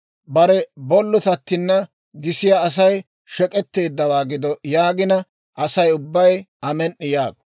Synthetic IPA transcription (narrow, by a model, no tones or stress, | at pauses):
bɐɾɛbɔlːʊt̪ɐt̪ːɪnːɐ | ɡɪsɪjaːs̬ɐj | ʃɛkʼɛt̪ːe̞ːd̪ːɐwaːɡɪd̪ɔjaːɡɪnɐ | ʔɐsɐjʊbːɐjɐmɛnːɪjaːɡ̚